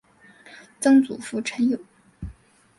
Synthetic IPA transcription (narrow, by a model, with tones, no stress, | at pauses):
t͡sɤ˥ŋt͡sṵ˨˩fu˥˩ʈ͡ʂʰə˧˥njo˨˩˦